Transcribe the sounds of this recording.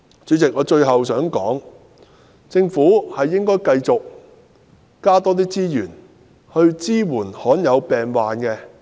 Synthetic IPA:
t͡ʃyː˨˥t͡sɪ˨k̚ʔɔː˨˧t͡ʃɵ˧ɥɦɐ˨wsœː˨˥ŋkɔː˨˥ŋ | t͡sɪ˧ŋfuː˨˥hɐ˨jːɪ˥ŋkɔː˥jkɐ˧jt͡sʊ˨k̚ | kaː˥t̪ɔː˥t̪iː˥t͡siː˥jyː˨˩n | hɵ˧ɥt͡siː˥wuː˨˩nhɔː˨˥njɐ˨˧wpɛː˨ŋwaː˨nkɛ˧

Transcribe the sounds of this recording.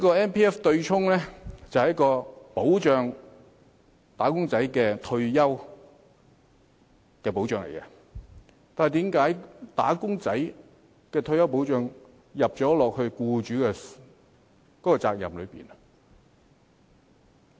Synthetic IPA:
iː˥kɔː˧ɛː˥npʰiː˥ɛː˥ft̪ɵ˧ɥt͡sʰʊ˥ŋlɛ˥t͡sɐ˨whjɐ˥kɔː˧po˨˥wt͡ʃœː˧ŋ | t̪aː˨˥kʊ˥ŋt͡sɐ˨˥jkɛː˧t̪ʰɵ˧ɥjɐ˥w | kɛː˧po˨˥wt͡ʃœː˨˧ŋlḛ˨˩jkɛ̰˧ | t̪aː˨nhɐ˨jt̪iː˨˥mkaː˨˥jt̪a̰ː˨˥kʊ˥ŋt͡sɐ˨˥j | kɛː˧t̪ʰɵ˧ɥjɐ˥wp̬o˨˥wt͡ʃœː˧ŋ | jɐ˨p̚t͡sɔː˨˥lɔː˨k̚hɵ˧ɥkuː˧t͡ʃyː˨˥kɛ˧ | kɔː˨˥kːɔː˧t͡saː˧k̚jɐ̰˨mlɵ˨˧pḭː˨˩nɐ˨

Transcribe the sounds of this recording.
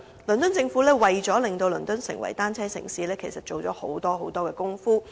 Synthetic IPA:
lɵ˨˩nt̪ɵ˥nt͡sɪ˧ŋfu˨˥lɛː˥wɐ˨jt͡ʃɔː˨˥lɪ˨ŋt̪o˧wlɵ˨˩nt̪ɵ˥nsɪ̰˨˩ŋwɐ̰˨˩jt̪aː˥nt͡sʰɛː˥sɪ̰˨˩ŋsiː˨˥lɛː˥kʰe˨˩jsɐ˨t̚t͡ʃo˨wt͡ʃɔː˨˥ho˨˥wt̪ɔː˥ɦo˨˥wt̪ɔː˥kɛː˧kʊ˥ŋfuː˥

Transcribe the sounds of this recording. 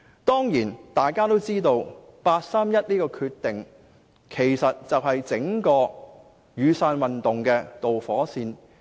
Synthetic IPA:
t̪ɔː˥ŋjiː˨˩nt̪aː˨jkaː˥t̪o˥wt͡siː˥t̪o˧wpaː˧t̚saː˥mjɐ˥t̚niː˥kɔː˧kʰyː˧tt̪ːɪ˨ŋ | kʰe˨˩jsɐ˨t̚t͡sɐ˨wɦɐ˨jt͡sɪ˨˥ŋkɔː˧ | jyː˨˧saː˧nwɐ˨nt̪ʊ˨ŋkɛː˧t̪o˨wfɔː˨˥siː˧n

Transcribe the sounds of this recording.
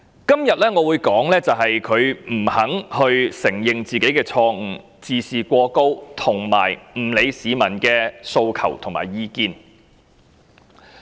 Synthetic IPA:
kɐ˥mjɐ˨t̚lɛː˥ŋɔː˨˧wuː˨˧jkɔː˨˥ŋlɛː˥t͡sɐ˨wɦɐ˨jkʰɵ˨˧ɥm̩˨˩hɐ˨˥ŋhɵ˧ɥsɪ˨˩ŋjɪ˨ŋt͡siː˨ke˨˥jkɛː˧t͡sʰɔː˧ŋ̩˨˩ | t͡siː˨siː˨kʷɔː˧ko˥wt̪ʰʊ˨˩ŋma̰ː˨˩jm̩˨˩le˨˧jsiː˨˧mɐ˨˩nkɛː˧so˧wkʰɐ̰˨˩wt̪ʰʊ˨˩ŋma̰ː˨˩jjiː˧kiː˧n

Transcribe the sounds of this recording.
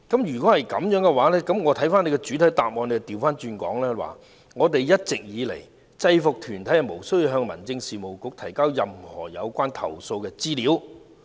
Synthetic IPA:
kɐ˨˥mjyː˨˩kʷɔ˨˥hɐ˨jkɐ˨˥mjœː˨˥ŋkɛ˧waː˨˥lɛː˥kɐ˨˥mŋɔː˨˧t̪ʰɐ˨˥jfaː˥ne˨˧jkɛ˧t͡ʃy˨˥t̪ʰɐ˨˥jt̪aː˨p̚mɔː˧ne˧ɛ˧t̪iː˨˩wfaː˥nt͡ʃyː˧nkɔ̰ː˨˥ŋlɛː˥wa̰ː˨ | ŋɔː˨˧t̪e˨jjɐ˥t̚t͡sɪ˨k̚jiː˨˧le˨˩j | t͡sɐ˧jfʊ˨k̚t̪ʰyː˨˩nt̪ʰɐ˨˥jɐ˨˩mo˨˩wsɵ˥ɥji˧wɦœː˧ŋmɐ̰˨˩nt͡sɪ˧ŋsiː˨mo˨˩wkʊ˨˥k̚t̪ʰɐ˨˩jkaː˥wjɐ˨mhɔ̰ː˨˩jɐ˨˧wkʷaː˥nt̪ʰɐ̰˨˩wso˧wkɛː˧t͡siː˥liː˨˥w

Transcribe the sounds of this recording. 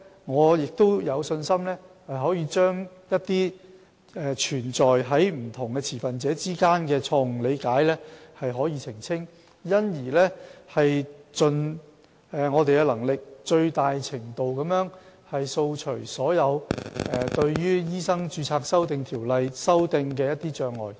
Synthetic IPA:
ŋɔː˨˧jɪ˨k̚t̪o˥wjɐ˨˧wsɵ˧nsɐ˥mlɛː˥hɐ˨jɦɔː˨˥jiː˨˧t͡ʃœː˥ŋjɐ˥t̚t̪iː˥ | ɛː˨˧t͡ʃʰyː˨˩nt͡ʃɔː˨jɦɐ˨˥jm̩˨˩t̪ʰʊ˨˩ŋkɛː˧t͡sʰiː˨˩fɐ˨nt͡sɛː˨˥t͡siː˥kaː˥nkɛː˧t͡sʰɔː˧ŋ˩le˨˧jkaː˨˥jlɛː˥hɐ˨jɦɔː˨˥jiː˨˧t͡sʰɪ˨˩ŋt͡sʰɪ˥ŋ | jɐ˥njiː˨˩lɛː˥hɐ˨jt͡sɵ˨˧n | ɛː˨ŋɔː˨˧t̪e˨jkɛ˧lɐ˨˩ŋlɪ˨k̚t͡ʃɵ˧ɥt̪aː˨jt͡sʰɪ˨˩ŋt̪o˨wkɐ˨˥mjœː˨˥ŋ | hɐ˨jso˧wt͡ʃʰɵ˨˩ɥsɔː˨˥jɐ˨˧wɛ˨t̪ɵ˧ɥjyː˥jiː˥sɐ˥ŋt͡ʃyː˧t͡sʰaː˧k̚sɐ˥wt̪ɪ˧ŋt̪ʰiː˨˩wlɐ˨˧jsɐ˥wt̪ɪ˧ŋkɛː˧jɐ˥t̪̚iː˥t͡ʃœː˧ŋɔ̰ː˨˩j

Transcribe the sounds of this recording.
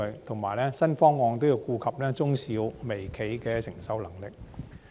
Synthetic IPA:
ɵ˨jt̪ʰʊ˨˩ŋmaː˨˩jlɛː˥sɐ˥nfɔː˥ŋːɔː˧ŋt̪o˥wji˧wkuː˧kʰɐ˨p̚lɛː˥t͡sʊ˥ŋsiː˨˥wme˨˩jkʰe˨˥jkɛː˧sɪ˨˩ŋsɐ˨˥wlɐ˨˩ŋlɪ˨k̚

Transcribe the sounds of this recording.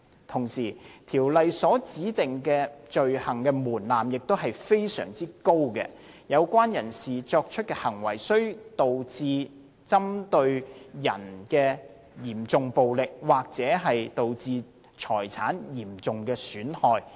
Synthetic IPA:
t̪ʰʊ˨˩ŋsiː˨˩t̪ʰiː˨˩wlɐ˨jsɔː˨˥t͡siː˨˥t̪ɪ˨ŋkɛː˧t͡ʃɵ˨ɥhɐ˨˩ŋkɛː˧muː˨˩nlaː˨mjɪ˨k̚t̪o˥wɦɐ˨jfe˥jsœ̰ː˨˩ŋt͡siː˥ko˥wkɛ̰ː˧ | jɐ˨˧wkʷaː˥njɐ˨˩nsiː˨˩t͡sɔː˧k̚t͡ʃʰɵ˥t̚kɛ˧hɐ˨˩ŋwɐ˨˩jsɵ˥ɥt̪o˨wt͡siː˧ | t͡sɐ˥mt̪ɵ˧ɥjɐ̰˨˩nkɛː˧ | jiː˨˩mt͡sʊ˨ŋpo˨wlɪ˨k̚waː˨k̚t͡sɛː˨˥ɦɐ˨jt̪o˨wt͡siː˧ | t͡ʃʰɔː˨˩jt͡sʰa̰ː˨˥njiː˨˩mt͡sʊ˨ŋkɛː˧syː˨˥nhɔː˨j

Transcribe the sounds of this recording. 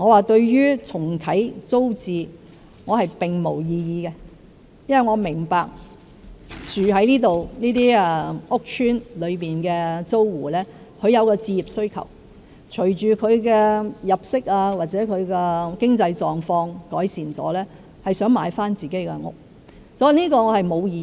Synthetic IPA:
ŋɔː˨˧waː˨˩t̪ɵ˧ɥjyː˥t͡sʰʊ˨˩ŋkʰɐ˨˥jt͡so˥wt͡siː˨˧ | ŋɔː˨˧hɐ˨jpɪ˨ŋmo˨˩wjiː˧jiː˨˧kɛ˧ | jɐ˥wɐ˨˩jŋɔː˨˧mɪ˨˩ŋpaː˨k̚ | t͡ʃyː˨ɦɐ˨˥jniː˥t̪o˨wniː˥t̪iː˥ɛ˧ŋʊ˥k̚t͡ʃʰyː˥nlɵ˨˧ɥpiː˨nkɛː˧t͡so˥wwuː˨˩lɛː˥ | kʰɵ˨˧ɥjɐ˨˧wkɔː˧t͡siː˧jiː˨p̚sɵ˥ɥkʰɐ̰˨˩w | t͡ʃʰɵ˨˩ɥt͡ʃyː˨kʰɵ˨˧ɥkɛː˧jɐ˨p̚sɪ˥k̚aː˧waː˨t̚t͡sɛː˨˥kʰɵ˨˧ɥkɛː˧kɪ˥ŋt͡sɐ˧jt͡ʃɔː˨ŋfɔː˧ŋkɔ̰ː˨˥jsiː˨nt͡sɔ̰ː˨˥lɛː˥ | hɐ˨jsœː˨˥ŋmaː˨˧jfaː˥nt͡siː˨ke˨˥jkɛ̰˧ŋʊ̰˥k̚ | sɔː˨˥ji˨˧niː˥kɔː˧ŋɔː˨˧hɐ˨jmo˨˧wjiː˧

